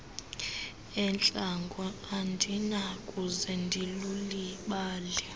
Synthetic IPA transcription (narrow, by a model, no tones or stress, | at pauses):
ɛnt͡ɬʼaŋɡʱɔandʱinakʼuzɛndʱiluliɓaːlɛ